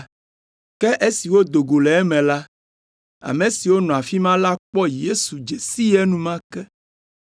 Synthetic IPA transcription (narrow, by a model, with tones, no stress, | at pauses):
kɛ˦ʔe˦si˨wo˦d̪o˨ɡo˨lɛ˨ɛ˦mɛ̃˨la˦ | a̰˨mẽ˨si˨wo˦nɔ̃˨a˨fi˦mã˦la˦k͡pɔ˦je˦su˨d͡ʒe˨si˦jɛ˦nũ˦mã˦kɛ˦